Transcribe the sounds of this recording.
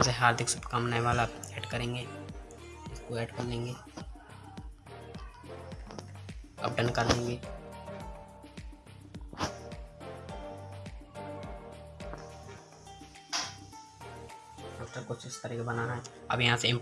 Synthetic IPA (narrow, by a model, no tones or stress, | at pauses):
seɦaːɾd̪ʱɪksʊpkamnaːeʋaːlaeːʈkɐɾẽːŋɡe | ɪskoeːɖkɐɾlẽːŋɡeː | ɐ̰p̚ɖə̃nkəɾlẽːŋɡe | d̪oːst̪ɾakoːʃɪʃkɐɾẽːɡebɐnaɦɛɐ̰bjɐɦãseɪ̃mp